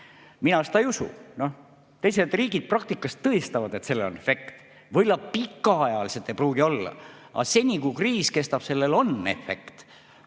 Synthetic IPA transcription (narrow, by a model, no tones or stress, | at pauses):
minɑse̥t̪ɑejusṵno̞h | t̪e̞js̬ed̪riːɡid̪̥̚prɑk̚t̪ikːˑɑst̪ːɤest̪ɑvɑd̪e̞t̪se̞lːeonefe̞kt̪ | vɤjlɑpikːˑɑɑjɑliset̪ːˑe̞jpruːɡio̞lːɑ̰ | ɑ̰se̞nʲikukriːske̞st̪ɑb̥se̞lːe̞lo̞nḛfe̞̰kt̪